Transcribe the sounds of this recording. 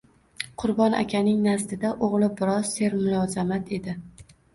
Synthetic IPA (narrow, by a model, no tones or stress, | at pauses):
qʰʊɾbɒnʔa̰kʲʰanɪŋnazd̪ɪd̪aʔoʁlˠɪbɪɾɒz̥se̞ɾmʊlˠɒzamat̪ʰe̞d̪ɪ